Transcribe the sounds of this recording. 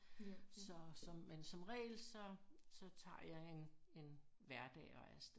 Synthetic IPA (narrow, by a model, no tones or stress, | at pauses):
sɒ̽sɒmmensɒ̽mʁɛ̰ːlsɒ̽sɒ̽t͡sʰɑ̰̈ːjɑ̈ɪe̝ne̝nʋæɐd̥ɛ̰ːɒ̽æɐs